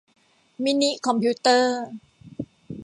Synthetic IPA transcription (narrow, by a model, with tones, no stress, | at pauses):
miː˦˧˥ni˦˥kʰɔ˧˦mpʰiː˦˥t̪ɤː˥˩